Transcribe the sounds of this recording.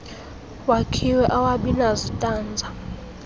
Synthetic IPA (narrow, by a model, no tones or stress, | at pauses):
wakʰiwɛʔawaɓinazɔtʼaːnd͡zʱa